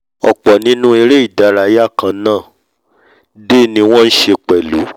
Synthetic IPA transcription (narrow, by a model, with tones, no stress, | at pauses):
ɔ̰˨k͡pɔ˨nĩ˨˦nũ˦e˧ɾe˦i˦˨da˨˦ɾa˧˦ja˦˨kã˧nãː˦˨ | de˦˨nĩ˧w̃ɔ̃˦n̩˦ʃe˧k͡pɛ˨lu˨˦